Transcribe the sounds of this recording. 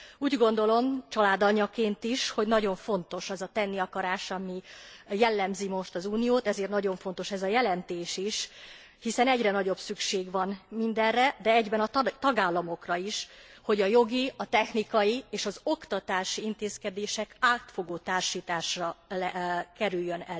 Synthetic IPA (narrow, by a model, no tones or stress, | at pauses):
uːɟɡo̞n̪d̪o̞lo̞mt͡ʃɒlaːd̪ɒɲːɒkeːnt̪iʃho̞ɟnɒɟo̞ɱfo̞n̪t̪o̞ʃɛzɒt̪ɛnːiɒkɒɾaːʃɒmijɛlːɛmzimo̞ʃt̪ɒzuːnijoːt̪ɛzeːrt̪nɒɟo̞ɱfo̞nt̪o̞ʃɛzɒjɛlɛnt̪eːʃiʃ | hisɛnɛɟrɛnɒɟo̞bsykʃeːɡʋɒnmind̪ɛrɛd̪ɛɛɟbɛnɒt̪ɒɡaːlːɒmo̞krɒiʃho̞ɟɒjo̞ɡiɒt̪ɛxnikɒjieːʃɒzo̞kt̪ɒt̪aːʃiint̪eːskɛd̪eːʃɛkaːt̪fo̞ɡoːt̪aːrʃiːt̪aːʃrɒɛkɛɾyjːønɛ